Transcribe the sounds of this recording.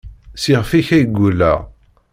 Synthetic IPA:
siʁfiçæjɡʷːulːæ̰ʁ

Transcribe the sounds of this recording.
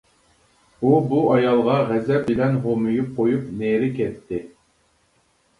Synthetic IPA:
ubuɑjɑlˠʁɑʁɛzɛbɪlɛnɦomɨjup̚qʰojupneɾɪkʲʰɛt̪ʰːɪ

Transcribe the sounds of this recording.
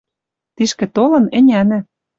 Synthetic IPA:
t̪iʃkɘ̆t̪olɤ̆nɘ̆nʲænɘ̆

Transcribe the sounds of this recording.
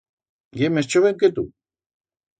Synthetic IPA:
jemest͡ʃoβeŋket̪ṵ

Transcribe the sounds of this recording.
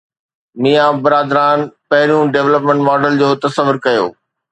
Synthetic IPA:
mijabɐɾaːd̪ɾaːnpɐɦɪɾijũɖeːʋləpmẽɳʈmɔːɖəld͡ʑoːt̪ɐsəʋʊɾkɐjo̰ː

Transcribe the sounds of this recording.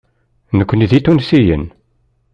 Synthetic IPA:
nəkʷːəniðit̪ːunsijə̰n

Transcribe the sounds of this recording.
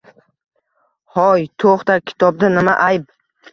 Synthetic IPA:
hɒjt̪ʰoχt̪akʲʰɪ̥t̪ʰɒb̚d̪anɪmaʔajp

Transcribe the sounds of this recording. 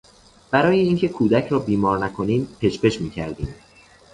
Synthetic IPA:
b̥æɾɒːjeiːncʰe̞kʰuːd̪æcʰɾɒːbiːmɒːɾnækʰo̞niːmpʰe̞t͡ʃpe̞ʃmiːcʰæɾd̪iːm

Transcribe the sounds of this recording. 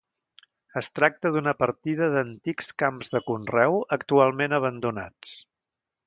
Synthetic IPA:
əst̪ɾak̚t̪əðunəpəɾt̪iðəðənt̪ikskamzðəkunrɛwəkt̪ualˠmenəβ̞ənd̪una̰t͡s

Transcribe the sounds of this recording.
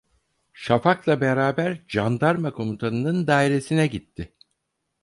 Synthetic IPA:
ʃafaklˠabeɾaːbæɾd͡ʒand̪aɾmakʰo̞mut̪ʰanɯnɯnd̪aːiɾe̞sinɛɟit̪ʰːɪ

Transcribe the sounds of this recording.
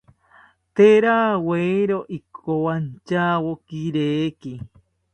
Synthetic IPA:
t̪eɾaːweiɾoʔikʰowant͡ʃawokiɾeːki

